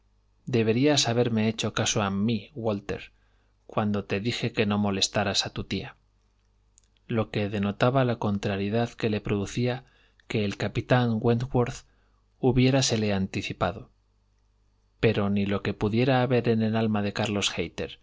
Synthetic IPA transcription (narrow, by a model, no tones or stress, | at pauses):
d̪e̞βe̞ɾiasaβ̞e̞ɾme̞e̞t͡ʃo̞kasoamiwo̞lt̪e̞̰ɾ | kwand̪o̞t̪e̞ðixe̞ke̞no̞mo̞le̞st̪aɾasat̪ut̪ia | lo̞ke̞ðe̞no̞t̪aβalako̞nt̪ɾaɾjiðaðke̞le̞pɾo̞ðuθia | ke̞ːlkapit̪aŋɡwenɡwoɾθ | uβje̞ɾase̞le̞ant̪iθipaðo̞ | pe̞ɾo̞nilo̞ke̞puðje̞ɾaːβe̞ɾe̞ne̞lalmaðe̞kaɾlo̞sxejt̪e̞̰ɾ